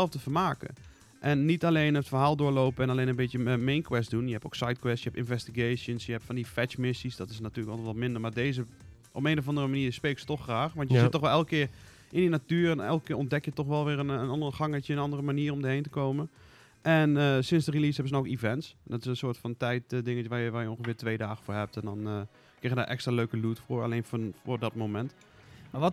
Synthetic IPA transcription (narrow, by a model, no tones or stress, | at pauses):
ɛlˠfdəfəɹmaːkə̰ | ʔɛnːitalejnətfərɦaːlˠdʊːɹlowpəɛnalejnənbɪtjəmejnkʋɛsdunjəɦɛpo̰wksajtkwɛstjəɦɛptɪ̰nvɛstiɡejʃjənsjəɦɛpfɑ̃ndifɛt͡ʃmɪsisdɔtɪsnatyːləkʋɛlˠtɔtmɪndəɹmaːɹdejzə | ʔɔ̰peːnovɑndərəmaniːɹspeːksə̥tɔxxraːxʋɑntjəzɪtːɔxʋɛlˠɛlˠkəkɪːɹ | ʔɪndinatyːəɹɛnɛlˠkəkːɪːɔndɛkjətɔxʋɛlˠʋɪːɾənənɑndəɹχɑŋətəənɑndərəmaniːərɔmdəɦejntəkowmən | ʔɛnəsɪnsdərilisɦɛbəsənoʊwləkivɛntsndɔtɪsənsʊːtfɑntɛjtdɪŋəʋaːɹjəʋaːɹjəɔnχəfɪːɹtʋejdaːχəfʊːɹɦɛp̚tɛndɔn | krɪxəda̰ːʔɛ̰kstraːløɥkəlutfʊːɹa̰lejnffʊːɹdɔt̚momɛnt